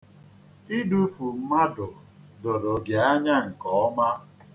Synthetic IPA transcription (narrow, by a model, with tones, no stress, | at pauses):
i˦du˦fu˨m̩˦ma˦dʊ˨ | do˨ɾo˨ɡe˨a˦ɲa˦ŋ̩˨kɔ˨˦ma˦